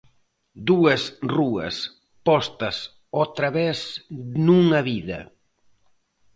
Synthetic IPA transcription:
d̪uɐsruɐ̰s | pɔst̪ɐs | ot̪ɾɐβɛsnuŋɐβiðɐ̰

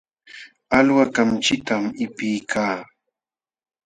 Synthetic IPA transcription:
alwakamt͡ʃɪt̪amɪpɪjkʰaː

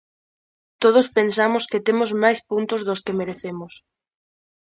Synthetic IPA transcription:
t̪oð̞ʊspensamʊskeɪt̪emʊzmajspunt̪ʊzðʊskemeɾeθemʊs

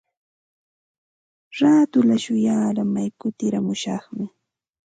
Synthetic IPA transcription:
ɾaːt̪ʊlaʃʊjaːɾamajkʊt̪ɪɾamʊʃɑχmɪ

